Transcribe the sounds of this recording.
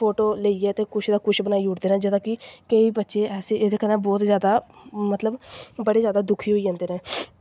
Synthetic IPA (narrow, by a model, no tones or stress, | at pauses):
pʰoːʈoːleiːɛːt̪eːkʊʃʰd̪aːkʊʃʰbənaːiːuːʈd̪eːnɛ̃ːd͡ʒəd̪ãːkɪkəiːbətːʃeːɛːsẽːeːd̪eːkəɾɛ̃ːbɔːt̪zjaːd̪aːmət̪ləbbəɽeːzjaːd̪aːd̪ʊkʰiːɦoːid͡ʒãːnd̪eːnɛ̃ː